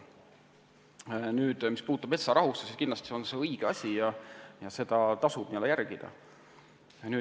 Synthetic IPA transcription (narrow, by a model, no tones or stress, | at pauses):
nyːd̪̥mispuːd̪ut̪ːɑbe̞t̪sɑɾɑɦust̪esiskinlɑst̪i̥seonse̞ɤjɡ̥eɑsʲijɑjɑse̞d̪̥ɑt̪ɑsub̥nielːejærɡ̥id̪̥ɑ̰ | nyː